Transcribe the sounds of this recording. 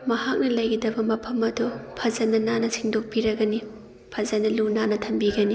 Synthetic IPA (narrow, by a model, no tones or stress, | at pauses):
mɐhak̚nɐlɐjɡidɐbɐmɐpʰɐmɐdupʰɐzɐnɐnanɐsiŋdok̚piɾɐɡɐni | pʰɐzɐnɐlunanɐtʰɐmbiɡɐni